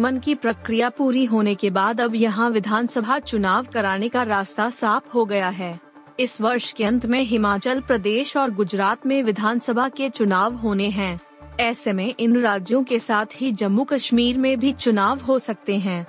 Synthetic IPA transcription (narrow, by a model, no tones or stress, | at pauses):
mənkipɾɐkɾijapuːɾiɦoːnekebaːd̪ɐbjɐɦãʋɪd̪ʱaːnsəbʱat͡ʃʊnaːʋkɐɾaːnekaɾaːst̪asaːpʰɦoɡɐjaɦɛː | ɪsʋɐɾʃkeɐ̃nt̪ʰmẽɦɪmaːt͡ʃəlpɾɐd̪eːʃɔːɾɡʊd͡ʒɾaːt̪mẽʋɪd̪ʱaːnsəbʱaket͡ʃʊnaːʋɦoːneɦɛ̃ː | ɛːsemẽʔɪnɾaːd͡ʒjõkesaːt̪ʰɦid͡ʒɐmːukɐʃmiːɾmẽbʱit͡ʃʊnaːʋɦosɐk̚t̪eɦɛ̃ː